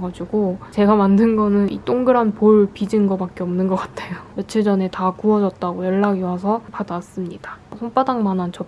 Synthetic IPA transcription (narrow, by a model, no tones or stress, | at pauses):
ɡad͡ʑiɡot͡ɕe̞ɡamandɯnɡʌnɯnḭt͈oŋɡɯɾanpoɭpid͡ʑinɡʌbak͈̚eʌmnɯnɡʌk͈ḁtʰe̞jojʌt͡ɕʰiɭd͡ʑʌne̞takuʌd͡ʑʌt̚t͈aɡojʌɭːaɡiwas̬ʰʌpadas͈ɯmɲid̥asʰonp͈adaŋmanɦant͡ɕʌ